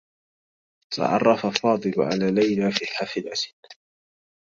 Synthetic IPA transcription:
t̪ʰa̰ʕɑ̰rˤːɑfafɑːd̪ˤɨlʕa̰laːlajlaːfiːħafɪlʔasɪd̪

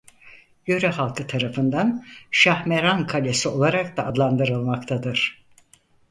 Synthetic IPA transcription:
jøɾɛhalˠkʰɯt̪ʰaɾafɯnd̪anʃahmeɾankʰalʲesio̞lˠaɾak̚d̪aːd̪lˠand̪ɯɾɯlˠmakt̪ʰad̪ɯɾ̥

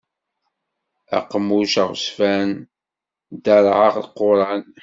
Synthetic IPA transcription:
æ̰qːəmuʃəʁsfæn | d̪əɾˤʕəʁlqːoɾˤɑn

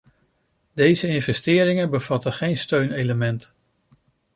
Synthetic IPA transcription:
dejzəɪnvɛstɪːɾɪŋəbəv̥ɑtəχejnstøɥnejləmɛnt

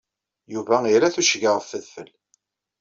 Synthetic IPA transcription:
juvæiɾæθuʃəʝəʁffəðfəl

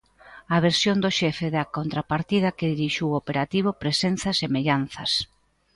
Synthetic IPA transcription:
ɐβ̞eɾsjond̪ʊʃɛfeðɐkont̪ɾapaɾt̪ið̞ɐkeðiɾiʃiwopeɾat̪iβ̞ʊpɾesen̟θɐsemeʎanθɐs

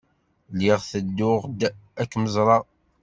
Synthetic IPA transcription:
lɪʁθəd̪ːʊʁd̪ækːməzˤɾˤɑ

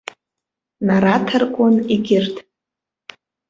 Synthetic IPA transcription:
naɾatʰarkʷʼʊniɡʲɪrtʰʼ

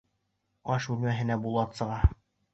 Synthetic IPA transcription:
ɑʃʉlmæɦɘ̆næbulˠɑt̪sɤ̆ʁɑ

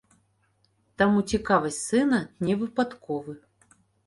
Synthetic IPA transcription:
t̪ɐmut͡sʲɪkavɐsʲtʲsɨnɐnʲɛvɨpat̪kɔvɨ

